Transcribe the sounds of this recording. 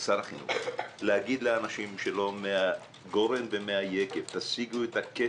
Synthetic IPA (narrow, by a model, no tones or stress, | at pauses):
saʁaχinṵχlehaɡid̪leanaʃimʃe̞lo̞mea | ɡo̞ɾe̞nbemeajekevt̪asiɡuet̪ake